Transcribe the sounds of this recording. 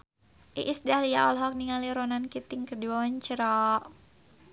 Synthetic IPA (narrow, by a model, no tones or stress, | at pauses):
ʔiʔisdahliaɔlɦɔk̚niŋaliɾɔnankit̪ɪŋkədiɔɲt͡ʃəɾɔʔ